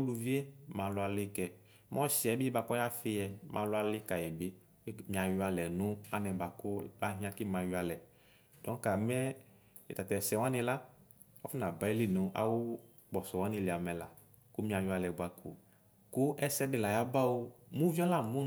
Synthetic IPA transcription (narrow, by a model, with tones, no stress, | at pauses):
lu˨vi˦e˦mã˨lʊ˨˦a˨lɪ˦kɛ˨ | m˦ɔ̃˦si˨ɛ˦bi˦ba˨kɔ˦ja˦fɪ˦jɛ˨mʔã̰˨lʊ˦a˦lɪ˦ka˨jɛ˨bɪ˦ | mĩ˨a˨jʊ˦a˨lɛ˨nʊ̃˦a˦nɛ̃˨ba˨kʊ˦a˦ɦĩ˦a˦˨kɪ˦mã˨jʊ˦a˨lɛ˨ | d̥ɔ˨˦ka˨mɛ˦ | ɛ̰˨t̪a˨t̪ɛ˨sɛ˨w̃a˦nɪ̃˨la˦ | ɔ˦fɪ˦nã˨ba˨˦i˦lɪ˦˨no˨˦ʔa̰˨wʊ˦ | ɡ͡bɔ˨sɔ˨wa˦nɪ˨lɪ˨a˨mɛ̃˨la̰˨ | kʊ˦mĩ˦a˨jʊ˨˦a˨lɛ˨ɡ͡ba˨kʰṵ˨ | kʊ˦ɛ˦sɛ˦dɪ˨la˨ja˦ba˦wo˦mũ˦vi˦ɔ˦la˦˨mũ˦